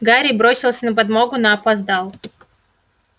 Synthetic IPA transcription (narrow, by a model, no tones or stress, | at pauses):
ɡaɾʲɪbɾo̞sʲɪlˠsʲənəp̬ɐd̪moɡʊnɐːpɐzd̪alˠ